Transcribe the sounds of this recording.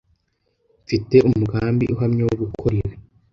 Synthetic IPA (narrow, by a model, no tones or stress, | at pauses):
fite̞ʔumuɡaːmbḭʔuɦamɲewoβukʰoɾeɾe